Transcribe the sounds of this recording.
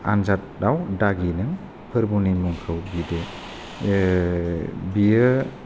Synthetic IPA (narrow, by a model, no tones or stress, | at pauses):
a̰nzat̚dawdaɡinɯŋ | pʰɯɾbunimuŋkʰɯwbide | bijə